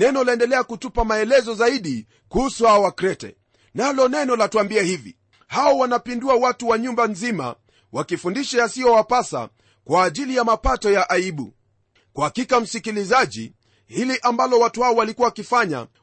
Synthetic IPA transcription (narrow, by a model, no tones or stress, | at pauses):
nɛnɔlaɛndɛlɛakutupamaɛlɛzɔzaiɗi | kuhusuhaɔwakɾɛtɛ̰ | nalɔnɛnɔlatuambiɛhivḭ | haɔwanapinduawatuwaɲumbanzima̰ | wakifundiʃajasiɔwapasa̰ | kwaːʄilijamapatɔjaʔaiɓṵ | kwahakikam̩sikilizaʄḭ | hiliʔambalɔwatuhaɔwalikuwawakifaɲa̰